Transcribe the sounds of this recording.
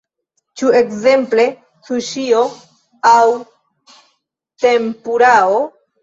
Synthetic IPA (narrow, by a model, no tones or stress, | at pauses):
t͡ʃue̞kze̞mple̞ | t͡suʃio̞ | aw | t̪empuɾao